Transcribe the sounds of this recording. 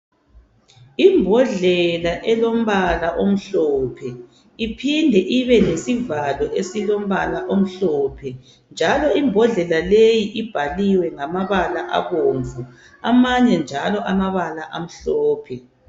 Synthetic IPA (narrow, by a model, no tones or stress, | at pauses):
imbʱɔɮɛlaʔɛlom̩βalaʔom̩ɬɔːpʰɛ | ipʰindʱɛʔiβɛnesivalɔʔesilom̩βalaʔom̩ɬɔːpʰɛ | nd͡ʒʱalɔimbʱɔɮɛlalejiʔib̥ʱaliwɛŋamaβalaʔa̰ɣoːɱvu | amaɲɛnd͡ʒʱalɔʔamaβalaʔam̩ɬɔːpʰɛ